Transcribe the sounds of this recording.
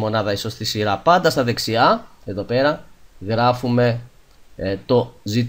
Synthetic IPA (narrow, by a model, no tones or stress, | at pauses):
mo̞nɐðɐiso̞st̪isiɾɐpɐnd̪ɐst̪ɐðe̞ksiɐe̞ðo̞pe̞ɾɐɣɾɐfume̞ | t̪o̞zit̪